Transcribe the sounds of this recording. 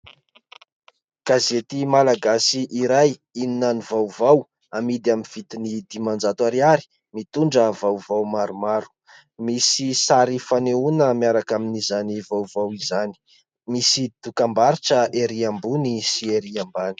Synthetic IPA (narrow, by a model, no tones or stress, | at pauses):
ɡ̥azet̪imalaɡasiʔiɾajininanivawvaw | amid̪iaminv̥it̪inid̪imand͡zat̪waɾiaɾi̥ | mit̪uɳɖ͡ʐəvawvawmaɾumaɾu̥ | misisaɾifaneunəmiaɾakaminizanivawvawizani̥ | misid̪̥ukambaɾiʈ͡ʂəeɾiambunisieɾiambani̥